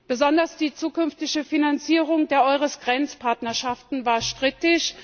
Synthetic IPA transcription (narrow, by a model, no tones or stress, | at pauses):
b̥əzɔndɐsd̥iːt͡suːkʏnftɪçəfinant͡siːʁʊŋdeːɐʔɔʏʁ̞əsɡ̥ʁɛnt͡spʰaɐtnɐʃaftn̩vaːɐʃtʁ̥ɪtɪç